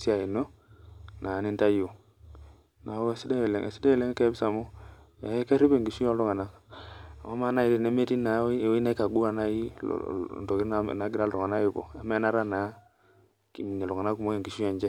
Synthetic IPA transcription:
si˦a˨i˨no˦ | na˨ni˦nta˦jo˨ | na˨˦e˦˨si˦de˦˨lɛ̰˨ŋɛ̰˨si̥˦de˦ɛ˦lɛ˦ŋ˦kɛ˦bi˦sa˨mo˦ | a˨˦ke˦ɾi˦be˨ŋɡi˨ʃu˦jɔ˦lɔ˦ŋa˨na˦˨ | ma˦ma˦na˦i˦ti˨ne˦me˦ti˦na˨˦˨wi˦na˦i˦ka˨ɡu˦a˨na˦jḭ˦˨ | nto˨ki˦ɾna˦˨na˨˦ɡi˦ɾa˦lɔ˨ŋa˨na˦i˨bo̰˨a˦mɛ˦na˦ɾa˦na˨˦ | ki˨mi˨ɲe˨lɔ˨ŋa˨na˦ku˨mo˦ke˨ŋɡi˨ʃu˦jɔ˦˨nd͡ʒɛ˦

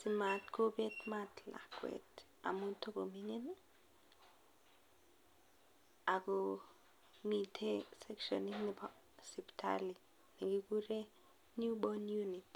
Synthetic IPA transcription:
si˨ma˨tko˦be˦tma˦tla̰˨kwḛ˨t | a̰˨mu˦to˦ɡo˨mi˦ŋe˦n | a˨ɡo˨ | mi˨tʰe˦sɛ˦kʃɔ̰˨ni˦ni˨ba | si˨ptʰa̰˦li˨ | ne˨ɡi˦ku˦ɾe˦ | nju˦bɔ˦nju˦ni˨t

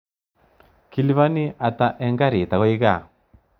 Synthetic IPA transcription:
ki˨li˦βa˦ni˦ʔa˨ta˦ʔɛ˦ŋɡa˦ɾi˨ta˨ɣɔ˦i˦ɣa˦˨

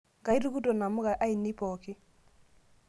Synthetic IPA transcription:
ɡa˨i˦ɾu˦ɡu˦do˨na˨mʊ˦ɡa˨ʔa˦i˨ni˦pɔ˨kɪ˦

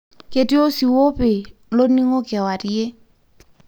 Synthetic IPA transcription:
ke˨ti˦o˦si˨wo˦pe˨lo˦ni˦ŋo˦kɛ˨wa˨ti˦e˦

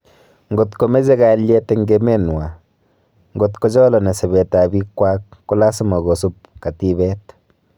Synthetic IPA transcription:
ŋɡo˨t̪ko˨me˦ze˦ɡa˨˦lje˦t̪e˦ŋɡe˦me˦n˨wa˨ | ŋɡo˨t̪ko˦d͡ʒɔ˦lɔ˨ne˨se˨be˨t̪a˨bi˦kwa˦kːu˦la˦su˦ma˨ɡo˨su˦p̚ | ka˨t̪i˦bɛ˦t̪

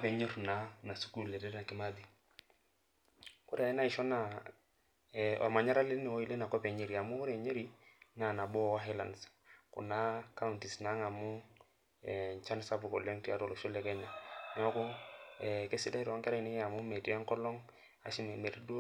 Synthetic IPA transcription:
a˦pɛ˨ɲe˦ɾna˨na˨su̥˦ku˦lːɛ˨tɛ˦ɾa˨kɪ˦ma˦di˦˨ | kʊ˦ɾa˨ɛ˦na˦ɪ˨ʃɔ˦na˨ | ɔ̰˨ma˨ɲa˦ɾa˦lɪ˦nɛ˨wɔ˦i˦le˦na˨kɔ˦pɛ˨ɲe˦ɾi˨a˨mʊ˦kʊ˦ɾɛ˨ɲe˦ɾi˦na˨na˨bɔ˦˨wa˦ɦɛ˦la˨nskʊ̰˨na˦ka˦unti˨sna˦ŋa˨mʊ˦ | ɛ˨t͡ʃa˦n˦sa˦pʊ˨kɔ˨lɛ˦ŋti˦a˦ɾɔ˨lɔ˨ʃɔ˦lɛ˦kɛ˦na˨nɛ˨ɔ˦kʊ˦ɛ˨kɪ˦sɪ˦da˦ɾɔ˦ŋkɛ˦ɾa˦˨nɪ˦a˨mʊ˦me˨ti˦a˦ŋkɔ˦lɔ˦ŋ | a̰˨ʃɪ˦n˨me˨ɾi˦d

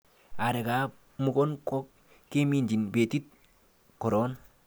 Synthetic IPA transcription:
a˨ɾe˨ka˨˦ | mu˦kɔ˦nkɔ˦k | ke˦mi˦˨nd͡ʒi˨nbe˨ti˦t̪̚ | kɔ˨ɾɔ˦n

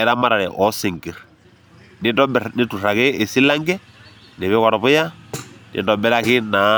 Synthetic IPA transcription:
ɛ˦ɾa˦ma˦ɾa˨ɾɛ̰˨ʔɔ˨˦se˨ŋɡi˨ɾ | nɪ˦dɔ˦bnɪ˦tu˨ra˨kɪː˦˨si˦la˦ŋɡɛ˦ | nɪ˨βɛ˦ka˨ɾɔ˨βʊ˦ja˦nɪ̰˨ndɔ˨bɛ˦ɾa˦kɪ˦na˨

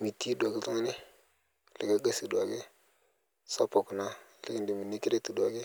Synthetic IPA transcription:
mi˨ti˦da˨ɡi˨˦tu˦ni˦ | lḭ˨ɡa˦ɡa˦si˨dwa˨ɡe˦ | sa˦pa˨ku˨na˦lə̰˦ɡi˦ndi˨mi˨ni˦ki˦ɾe˦ti˨dwa˨ɡi˦

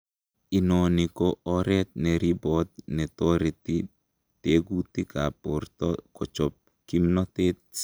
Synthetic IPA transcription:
i˨no˨ni˨koɔɾɛt̪̚nɛ˨ɾibɔt̪̚nɛ˨t̪ɔ˦ɾe˨t̪i | t̪eɡu˦t̪i˦ka˨port̪ɔkɔ˨t͡ʃɔ˨p̚ | ki˦mnɔt̪et̚

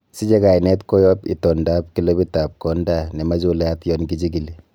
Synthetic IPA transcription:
si˦d͡ʒɛ˦ka˨inɛ˦tko˦jɔ˦pḭ˨tɔ˨nda˦p̚ki˦lo˦bi˦ta˨p̚kɔ˨˦nda˦nɛ˨ma˦d͡ʒu˦la˦tjɔ˦nɡi˦d͡ʒi˦ɡi˨li˦

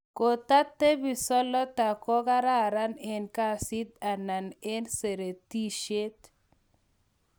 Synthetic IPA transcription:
ko˨ta˦t̪ːe˦bi˨sɔ˦lɔ˦t̪a˨kɔ˦ka˦ɾa˦ɾa˦nɛ˨nka˦si˦t̪̚a˨na˨ne˦nse˨ɾe˨ti˦ʃe˦t̪

